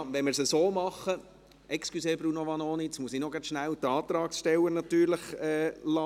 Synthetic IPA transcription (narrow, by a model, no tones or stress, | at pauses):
ʋɛnmɪɾsəsoːmɑχːə | ʔɛkskluseːbɾunoʋɑnoːnitsmuəsinoɡɾɑtʃnæwt̪ɑːt̪ɾɑːksʃtɛləɾnɑt̪yːɾləχɛːlɑ